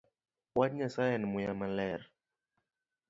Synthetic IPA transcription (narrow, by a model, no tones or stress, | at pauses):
ɓwaɲasajanmujamalɛɾ